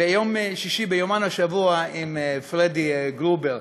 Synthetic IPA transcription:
ejomʃiʃibejomanaʃavuaimfled̪iɡlubel

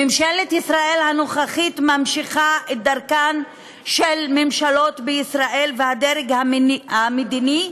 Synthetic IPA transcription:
emʃelet̪isʁae̞lhanoχaχit̪mamʃiχaet̚d̪aʁkan | ʃelmemʃalo̞tbeisʁaʔe̞lvehad̪eɾeɡhaamed̪ini

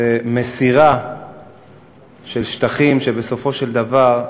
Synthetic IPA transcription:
emesiʁa | ʃe̞lʃt̪aχimʃebeso̞fo̞ʃeld̪avaʁ

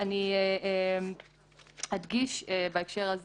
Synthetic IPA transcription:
anieem | had̪ɡiʃebaekʃe̞ʁaz

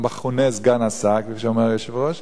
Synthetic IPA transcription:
baχunezɡanasakvikfiʃomeʁjeʃveʁoʃ

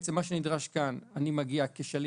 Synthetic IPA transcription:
t͡semːaʃenidʁaʃkananimaɡiakeʃal

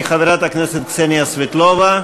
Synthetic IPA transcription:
χaveɾat̪akneset̪̚ksenjasvit̪lova

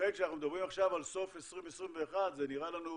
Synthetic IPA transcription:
ekʃanaχnumed̪abʁimaχʃavalso̞fesʁimesʁimve̞ːχad̪zeniʁalanu

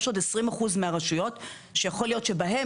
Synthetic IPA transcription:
ʃodesʁimaχuzmeaʁaʃujo̞t | ʃe̞jaχo̞lijo̞tʃe̞baɦe̞

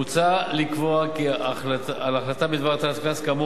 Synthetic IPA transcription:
ut͡salikvoakeaχlataalaχlat̪abed̪vaʁt̪aasknaskamo

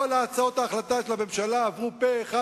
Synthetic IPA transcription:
olaːt͡sao̞t̪aːχlat̪aʃelame̞mʃalaːvʁupeːχa

